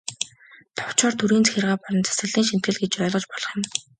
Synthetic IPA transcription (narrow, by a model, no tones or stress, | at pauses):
t̪ʰʊ̥w̥t͡ɕɔːrt̪ʰuɾiːnt͡sʰe̥xʲɪ̆rʁaːpɔɮɞ̆nt͡sḁsə̆ɮiːŋʃin̥t̪̚ɡɘ̆ɮɡet͡ɕɔɮʁɞ̆t͡ɕpɔɮɞ̆χjɪ̆m